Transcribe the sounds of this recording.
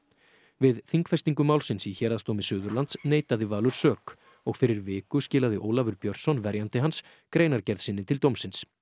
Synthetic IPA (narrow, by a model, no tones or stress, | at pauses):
vɪðθiŋkfɛ̥st̪iŋkʏmawlsɪnsiçɛɾast̪owmɪsʏːðʏɾlant̪sneːjt̪aðɪvaːlʏɾ̥sœːk | ɔɣfɪɾɪɾvɪːkʏscɪːlaðɪʔo̰ːwlavʏɾpjœɾ̥t̪sɔnvɛɾjant̪ɪɦans | kɾeːjnaɾcɛɾðsɪnːɪt̪ʰɪlt̪owmsɪns